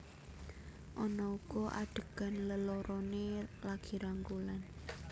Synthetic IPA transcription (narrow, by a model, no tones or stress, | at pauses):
ʔɔnɔukɔʔa̰ɖ̥ə̤ɡ̥a̤nləloɾʔɔnelaɡ̥i̤ɾaŋɡulan